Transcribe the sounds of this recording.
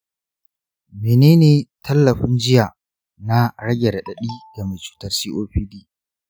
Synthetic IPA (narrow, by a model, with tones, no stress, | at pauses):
meː˨neː˦neː˨tʰɐ˦lːɐ˨ɸɪ˦nd͡ʒɪ˦jaː˨ | na˦ɽɐ˦ɡʲe˨da˨ɗɐ˨ɗiː˦ɡa˨me˨t͡ʃu̥ː˦tɐ˨rsiː˦ʔoː˦ɸiː˦diː˦